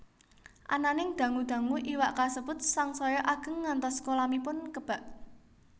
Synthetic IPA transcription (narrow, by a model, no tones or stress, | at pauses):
ʔa̰nanɪŋd̪̥ä̤ŋud̪̥ä̤ŋuʔiwaʔkasəbʊt̪̚saŋsɔjɔʔaɡ̥ə̤ŋːant̪ɔskolamipʊnkəb̥a̤ʔ